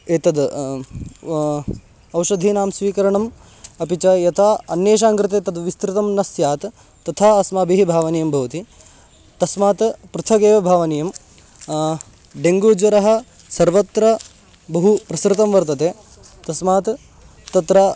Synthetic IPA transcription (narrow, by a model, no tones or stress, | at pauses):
eːt̪ɐd̪ | ɐwʃɐd̪ʱiːnaːmsʋiːkɐɾɐɳɐm | ɐpit͡ʃɐjɐt̪ʰaːɐnjeːʃ̬aːŋkɾɪt̪eːt̪ɐd̪ʋist̪ɾɪt̪ɐmnɐsjaːt̪ | t̪ːɐt̪ʰaːɐsmɐːbiɦibʱaːʋɐnijɐmbʱɐʋɐt̪i | t̪ɐsmaːt̪pɾɨt̪ʰɐɡeːʋɐbʱaːʋɐnijɐm | ɖeŋɡuːd͡ʒʋɐɾɐɦɐ̆ | sɐɾʋɐt̪ɾɐ | bɐɦupɾɐsɾɪt̪ɐmʋɐɾt̪ɐt̪eː | t̪ɐsmaːt̪ | t̪ɐt̪ɾa